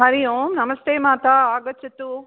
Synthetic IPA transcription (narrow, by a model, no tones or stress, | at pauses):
ɦɐɾijoːmnɐmɐst̪eːmaːt̪aaːɡɐt͡ʃɐt̪ːu